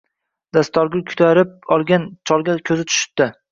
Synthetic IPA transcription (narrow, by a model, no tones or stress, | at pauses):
d̪ast̪ɒɾɡʲʊlkʲʰʊ̥t̪ʰaɾɪp̚ɒlˠɡʲant͡ʃʰɒlˠɡʲakʲʰɵzɪt̪ʰʊ̥ʃɪ̥p̚d̪̥ɪ